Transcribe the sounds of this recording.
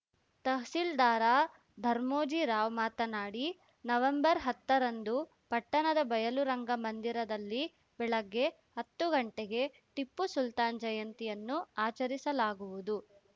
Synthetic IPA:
t̪ɐɦsild̪aːɾaː | d̪ʱɐɾmoːd͡ʒiɾaːʋmaːt̪ɐnaːɽi | nɐʋɐmbɐɾɦɐt̪ːɐɾɐnd̪u | pɐʈːɐnɐd̪ɐbɐjɐluɾɐŋɡɐmɐnd̪iɾɐd̪ɐlːi | bɛɭɐɡːe̞ | hɐt̪ːuɡɐɳʈeɡe̞ | ʈipːusult̪aːnd͡ʒɐjɐnt̪ijɐnːuaːt͡ʃɐɾisɐlaːɡuʋud̪u

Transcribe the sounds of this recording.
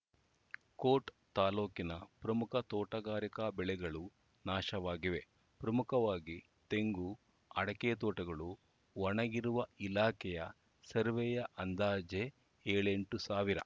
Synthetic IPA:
koːʈ | t̪aːloːkinɐpɾɐmukʰɐt̪ɔːʈɐɡaːɾikɐbɛɭɛɡɐɭu | naːʃɐʋaːɡiʋe̞ | pɾɐmukʰɐʋaːɡi | t̪e̞ŋɡu | ɐɽɐkeːt̪̬oːʈɐɡɐɭu | ʋɐɳɐɡiɾuʋɐilaːkɛjɐ | sɐɾʋɛjɐʔɐnd̪aːd͡ʒe | eːɭeɳʈusaːʋiɾɐ̰

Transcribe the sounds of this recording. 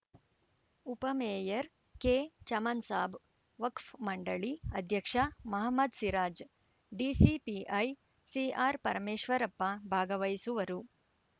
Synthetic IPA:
upɐmeːjɐɾ | keːt͡ʃɐmɐnsaːb | ʋɐkfmɐɳɖɐɭiɐd̪ʱjɐkʂɐmɐɦɐmːɐd̪siɾaːd͡ʒ | ɖiːsipiʔɐj | siaːɾpɐɾɐmeːʃʋɐɾɐpːɐbʱaːɡɐʋɐjsuʋɐɾu

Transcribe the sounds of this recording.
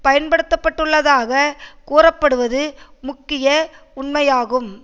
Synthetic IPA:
pɐjɐnpɐɽɯt̪ːɐpːɐʈːɯɭːɐðaːɣɐkuːrɐpːɐɽɯʋɐðɯmʊkːɪjɐ | ʊɳmɐjaːɣɯm

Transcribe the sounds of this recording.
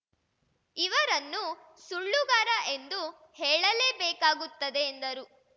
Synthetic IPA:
iʋɐɾɐnːu | suɭːuɡaːɾɐʔe̞nd̪u | heːɭɐleːbeːkaːɡut̪ːɐd̪e̞ːnd̪ɐɾu

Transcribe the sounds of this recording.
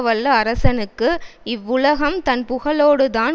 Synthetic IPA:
ʋɐlːɐɐɾɐsɐnɯkːɯɪʋːʊlɐɣɐmt̪ɐnpʊɣɐɭoːɽɯt̪aːn

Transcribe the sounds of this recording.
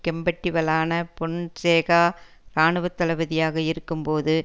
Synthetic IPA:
kɛmbɐʈːɪʋɐlaːnɐpɔnseːɣaː | ɾaːɳɯʋɐt̪ːɐlɐʋɐðɪjaːɣɐɪɾɯkːɯmpoːðɯ

